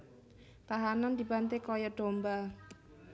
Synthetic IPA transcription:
t̪aɦanand̪ibant̪ekɔjɔɖ̥omba

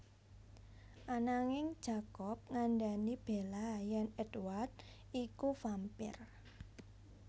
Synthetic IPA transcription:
ʔanaŋɪŋd̥ʒ̥a̤kɔp̚ŋaɳɖanib̥elajɛnɛdwart̪̚ | ikufampɪ̰r

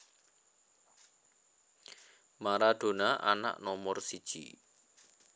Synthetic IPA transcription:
maɾad̪̥o̤naʔa̰na̰ʔnɔmɔrsid̥ʒ̥ḭ

